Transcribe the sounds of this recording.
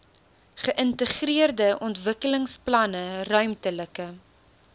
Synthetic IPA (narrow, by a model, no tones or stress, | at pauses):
χəʔəntəχriərdəʔɔntvəkələŋsplɐnərœɥmtələkə